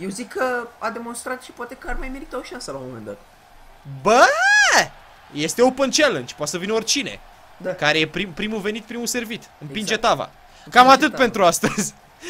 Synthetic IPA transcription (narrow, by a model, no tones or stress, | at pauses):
jewzikʰːəad̪e̞mo̞nst̪ɾat̪ʃi̥pwat̪ekəarmajme̞ɾit̪aoʃiansəlaomome̞nd̪at̪̚ | bə | jest̪eopənt͡ʃelənt͡ʃpasəvinort͡ʃine̞̰ | kaɾejepɾipɾimuve̞nit̪̚pɾimuse̞rvit̪ɨnpind͡ʒe̞t̪ava̰ | kamat̪ɨt̪̚pe̞nt̪ɾuast̪əzʲ